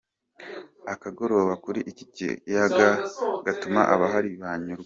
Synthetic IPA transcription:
akaɡo̞ɾo̞ːβakuɾiʔici̥cḭjaɡaɡatuma̰ʔaβaɦaɾiβaɲuɾɡ

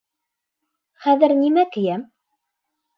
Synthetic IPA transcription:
χæðɘ̆ɾnimækɘ̆jæm

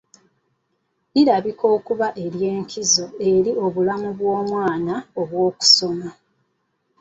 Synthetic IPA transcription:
iɾaβiko̞ːkuβaʔe̞ɾje̞ːŋkizo̞e̞ɾio̞βulamuβwo̞ːmwaːnao̞βwo̞ːku̥so̞ma

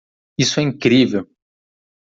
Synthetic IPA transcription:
isʊɛĩŋkɾivew

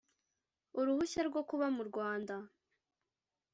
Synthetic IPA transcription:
uɾuhuçaɾɡo̞kuβamuɾɡwaːnda

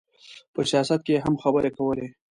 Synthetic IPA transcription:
pəsijɑsat̪̚keeɦamxabəɾekawəle

